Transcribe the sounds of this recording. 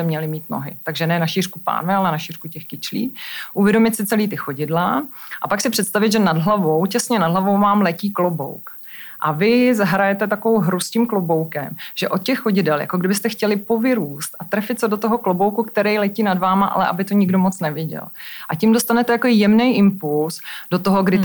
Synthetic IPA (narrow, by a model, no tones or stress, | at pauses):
ɛmɲɛlɪmiːt̪no̰ɦɪ̰t̪aɡʒɛnɛnaʃiːr̥kupa̰ːnvɪalɛnaʃiːr̥kucɛxkɪt͡ʃlḭːʔuvjɛdo̞mɪt̪sɪt͡sɛliːt̪ɪxo̞ɟɪdlaʔapaksɪpr̝̥ɛt̪st̪avɪd̪ʒɛnadɦlavo̞wcɛsɲɛnadɦlavo̞wmaːmlɛciːklobo̰wk | ʔavɪzaɦɾajɛt̪ɛt̪akovowɦɾuscɪmklobowkɛmʒ̥ɛʔot̪̚cɛxːoɟɪdɛlja̰koɡdɪbɪst̪ɛxcɛlɪpo̞vɪɾuːst̪ʔat̪ɾɛfɪt̪̚t͡sɛdot̪oɦo̞klobo̞wkukt̪ɛɾɛjlɛciːnadvaːmaʔa̰lɛʔa̰bɪt̪oɲɪɡdo̞mot͡snɛvjɛɟɛ̰lʔacimdo̞st̪anɛt̪ɛjakoɪjɛmnɛjʔɪmpulsdot̪oɦoɡdɪ